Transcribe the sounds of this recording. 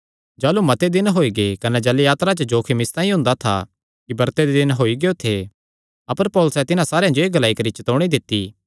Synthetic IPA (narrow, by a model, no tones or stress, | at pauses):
d͡ʒaːlumɐt̪ed̪ɪnɦoːiɡekɐnɛd͡ʒɐlejaːt̪ɾat͡ʃəd͡ʒoːkʰimɪst̪ãːĩɦʊ̃nd̪at̪ʰa̰ | kibɐɾt̪ed̪ed̪ɪnɦoːiɡejot̪ʰe | ɐpəɾpɔːlʊsɛt̪ɪnãsaːɾejãd͡ʒoeːɡɐlaːikɐɾit͡ʃɐt̪oːɽ̃id̪ɪt̪ːi